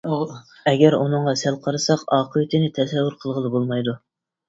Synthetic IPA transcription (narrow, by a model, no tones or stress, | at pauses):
ɛɡʲɛɾunɨŋʁɑsælˠqʰɑɾɨsɑqɑːqʰəwɪt̪ʰɪnɪt̪ʰɛsɛvːʊɾqʰəlˠʁəlˠɨbolˠmɑjd̪u